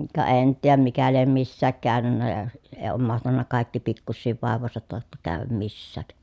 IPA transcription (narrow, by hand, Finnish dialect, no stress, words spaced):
kɑ en nyt tiːjæm mikæ liem misːæːk kæːnynːæ jɑ eː oːm mɑhtɑnːɑ kɑˑi̯kːi pikːusːiːʋ ʋɑˑeʋˑoˑesɑt tɑˑotːɑ kæːʋæm misːæːk